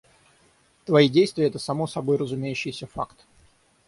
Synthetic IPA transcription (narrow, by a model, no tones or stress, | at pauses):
t̪vɐjidʲejst̪vʲɪəɛt̪əsɐmo̞sɐbo̞jrəzʊmʲejʉɕːɪjsʲəfa̰kt̪